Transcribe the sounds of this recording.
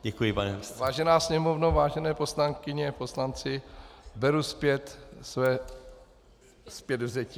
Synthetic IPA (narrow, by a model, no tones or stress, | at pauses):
ɟɛkujɪpanɛvaːʒɛnaːsɲɛmovnovaːʒɛnɛːposlaŋkɪɲɛposlant͡sɪbɛɾuspjɛt̪svɛː | spjɛd̪vzɛcɪ